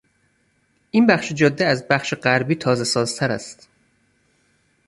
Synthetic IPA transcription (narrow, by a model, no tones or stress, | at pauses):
ʔiːnbæχʃed͡ʒɒd̪ːiæzbæχʃeɢæɾbiːt̪ʰɒːzesɒːz̥t̪ʰæɾæ̰st̪